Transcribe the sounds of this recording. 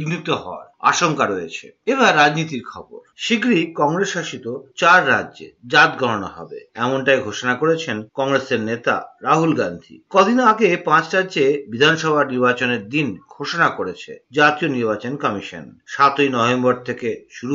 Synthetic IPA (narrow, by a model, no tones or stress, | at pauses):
ɡnit̪oɦɔ̰a̰ɾa̰ʃoŋkaɾoet͡ɕʰḛeβaɾːad͡ʑnit̪iɾkʰɔ̰bo̰ɾʃiɡɾikɔŋɾesʃaʃit̪ot͡ɕaɾːaʑḛd͡ʑat̪ɡʱɔɾono̰ɦɔ̰bḛɛmonʈajɡʱoʃonakoɾet͡ɕʰenkɔŋɾeseɾnet̪a̰ɾaɦulɡand̪ʱḭkɔd̪ʱinoaɡepãt͡ɕʈad͡ʑebid̪ʱanʃɔbʱaniɾbat͡ɕoneɾd̪inɡʱoʃonakoɾet͡ɕʰḛd͡ʑat̪ioniɾbat͡ɕonkɔmiʃo̰nʃat̪ojnɔbemboɾt̪ʰekeʃuɾu